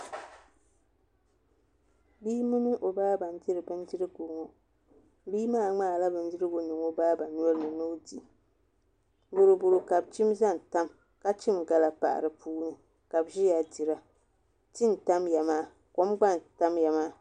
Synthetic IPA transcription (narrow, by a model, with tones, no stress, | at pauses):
bi˦mɨ˦nɨ˦ʔo˨baː˦ba˨n˨di˦ɾɨ˨bɨ˦n˦di˦ɾɨ˦ɡo˨˦ŋo˦ | biː˦maː˦˨ŋ͡maː˦˨la˦bɨ˦ndi˦ɾɨ˦ɡo˨nɨ˨ŋo˦baː˦ba˨nːu˦ɔ˦lɨ˦nɨ˨nɨ˦di˨ | bʊ˨ɾu˨bʊ˨ɾo˨ka˨bt͡ʃi˦mza˦n˨ta˦m | ka˦t͡ʃi˦mɡa˨la˨pa̰˨ʔa̰˨ɾɨ˨puː˦nɨ˨ | ka˨bʒi˦ja˨di˨ɾa˦ | t͡ʃi˦n˨ta˦mja˨maː˦˨ | ko˦mɡ͡ba˦˨n˨ta˦mja˨ma˦